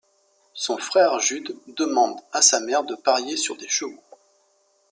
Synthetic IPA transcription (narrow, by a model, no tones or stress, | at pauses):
sɔ̃fχɛʁʒyd̪ːəmɑ̃d̪asamɛʁd̪əpaʁjesyʁd̪eʃəvo